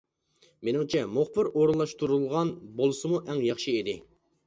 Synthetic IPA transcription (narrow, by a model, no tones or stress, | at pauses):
menɪŋt͡ʃʰɛmoχbɪɾoɾulˠːɑʃt̪uɾulˠʁɑnbolˠɨsɨmuʔɛŋjɑχʃiid̪ɪ